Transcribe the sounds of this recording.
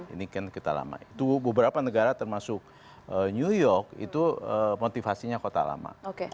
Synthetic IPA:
ḭnikankit̪ala̰ma̰it̪ubəbəɾapanəɡaɾat̪ərmasʊk̚ | əɲujɔrkḭt̪uəmot̪ifasiɲakot̪a̰la̰ma̰oke

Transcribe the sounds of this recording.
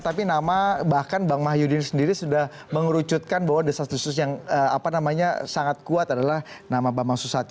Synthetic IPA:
t̪apinamabahkanbaŋmaɦjudinsəndiɾisudah | məŋɾut͡ʃut̪̚kanbaɦwadasast̪usʊsjaŋəapanamaɲa̰saŋat̪̚kuat̪adalahnamabamaŋsusat̪̚

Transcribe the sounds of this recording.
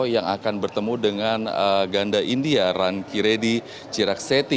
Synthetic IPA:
jaŋakanbərt̪əmudəŋanəɡandaʔindiarankiɾedi | t͡ʃiɾak̚set̪i

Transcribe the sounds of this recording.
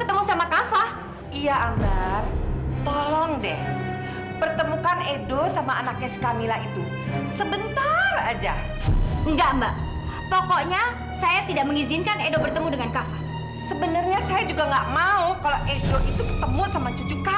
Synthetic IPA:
kət̪əmusamakafah | ijaʔamɡart̪ɔlɔŋdɛ̰h | pərt̪əmukanedosamaːnak̚ɲasə̥kamilahit̪u | səbənt̪arad͡ʒa̰ | əŋɡaʔmbaʔ | pɔkɔʔɲa | sajat̪idaʔməŋizinkanedobərt̪əmudəŋankafah | səbənərɲasajad͡ʒuɡaŋɡaʔmaukaloʔedoʔit̪ukə̥t̪əmusamat͡ʃud͡ʒuka

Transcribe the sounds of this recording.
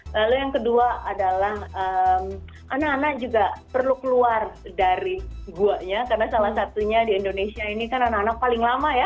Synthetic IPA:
lalujaŋkəduaadalahəm | ʔanakanak̚d͡ʒuɡapərlukəluardaɾiɡuaʔɲakarənasalahsat̪uɲadiːndonesiainikananakanak̚palɪŋlamaja

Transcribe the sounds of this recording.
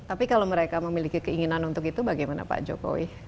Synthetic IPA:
t̪apikalaowməɾekaməmilikikəiŋinanunt̪ʊkit̪ubaɡajmana̰pa̰d͡ʒo̰ko̰wḭ

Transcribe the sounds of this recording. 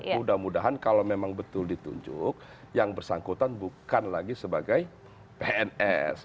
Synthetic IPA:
mudahmudaɦankalowmemaŋbət̪ʊldit̪ṵɲd͡ʒʊ̰k̚ | jaŋbərsaŋkut̪anbukanlaɡisəbaɡaj | peɛnɛs

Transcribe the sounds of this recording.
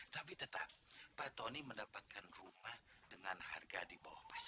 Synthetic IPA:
t̪apit̪ət̪a̰p̚ːat̪oniməndapat̪̚kʰanrumah | dəŋanha̰rɡadiba̰wahpas

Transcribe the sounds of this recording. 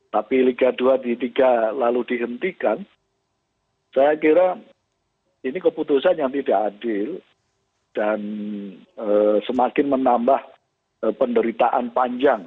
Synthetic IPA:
t̪apiliɡaduadit̪iɡalaludiɦənt̪ikan | sajakiɾa | inikəput̪usanjaŋt̪idaʔadɪl | d̥an | əsəmakɪnmənambah | əpəndəɾit̪aʔa̰npaɲd͡ʒaŋ

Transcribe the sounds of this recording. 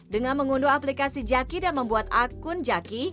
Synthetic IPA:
dəŋanməŋunduaplikasid͡ʒakidanməmbuat̪akʊnd͡ʒaki

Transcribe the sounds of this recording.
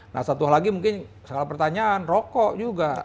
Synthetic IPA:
na̰hsat̪ualaɡimuŋkɪn | səɡalapərt̪aɲaːnrɔkɔʔd͡ʒuɡa

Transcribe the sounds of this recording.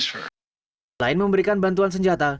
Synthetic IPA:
laɪnməmbəɾikanbant̪̬uans̬əɲd͡ʒat̪a

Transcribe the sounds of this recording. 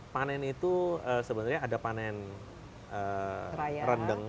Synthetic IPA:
panɛnit̪uəsəbənarɲaːdapanɛn | əaɾəndəŋ

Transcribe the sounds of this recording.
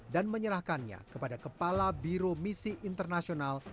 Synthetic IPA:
danməɲəɾahkanɲa̰kəpadakəpalabiɾomisiʔint̪ərnasional

